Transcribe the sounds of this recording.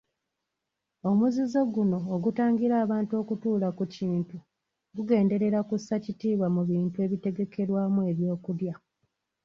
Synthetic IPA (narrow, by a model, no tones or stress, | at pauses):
o̞muzizo̞ɡuno̞ːɡutaːŋɡiɾaːβaːntuo̞ːkutuːlakuciːntu | ɡuɡe̞ːnde̞ɾe̞ɾakusːacitiːβwamuβiːntue̞ːβite̞ɡe̞ke̞ɾwaːmue̞βjo̞ːkulja